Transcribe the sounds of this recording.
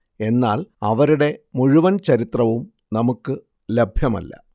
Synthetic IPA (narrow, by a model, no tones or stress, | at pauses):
e̞nːaːlɐʋɐɾuɽe̞muɻuʋɐnt͡ɕɐɾit̪rɐʋum | nɐmukːɨ | le̞bʱjɐmɐ̰lːɐ̰